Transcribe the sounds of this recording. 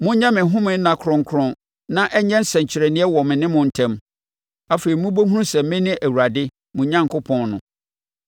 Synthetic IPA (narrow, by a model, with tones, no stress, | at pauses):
mʊ̃˦ɲã˦mɪ̃˨ɦʊ̃˦mɪ̃˨n̩˦nã˨kʰʊ˨ɾɔ̃˨ŋ˨kʰʊ˨ɾɔ̃˨n | nã˦ʔɛ˦ɲɛ̃˦n̩˦sɛ̃˨ɲ˨t͡ɕʰɪ˨ɾɛ˨nɪ̃˦ɛ˦wɔ˨mɪ̃˨nɪ̃˦mʊ̃˨n̩˨tʰɛ̃˦˨m | a˦fe˨ɾi˨mũ˦bo˦ɦũ˦ũ˦sɛ˨m˦mɪ̃˦nɪ̃˦ʔæ˨wu˨ɾa˨dɪ˦ | mʊ̃˨ɲã˦ŋkʊ˦pʰɔ̃˨nnʊ̰̃˨